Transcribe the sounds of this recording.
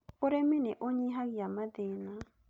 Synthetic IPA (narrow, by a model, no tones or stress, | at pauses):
oɾeminɛʔoɲiɦaɣiamadena